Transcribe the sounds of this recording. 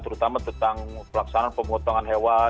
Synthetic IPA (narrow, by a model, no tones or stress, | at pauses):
t̪əɾut̪amat̪ənt̪aŋpəlaksananpəmɡɔt̪ɔŋanɦewa